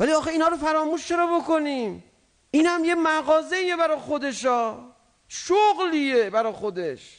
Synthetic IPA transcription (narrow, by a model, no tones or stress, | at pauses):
væliɒːxeinhɒːɾo̞faɾɒːmuʃt͡ʃʰe̞ɾɒbo̞ko̞nim | ʔinhamje̞maɣɒːze̞iːje̞bæɾɒχod̪e̞ʃɒː | ʃoɣlije̞baɾɒxod̪e̞ʃ